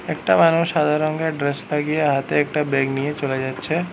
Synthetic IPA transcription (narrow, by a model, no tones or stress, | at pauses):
eːkʈamaːnoːsaːd̪ʱaɾõŋɡaɖɾespaɡieɦat̪eeːk̚ʈabeːɡnijẽt͡ʃolad͡ʒaːt̪ːt͡ʃʰe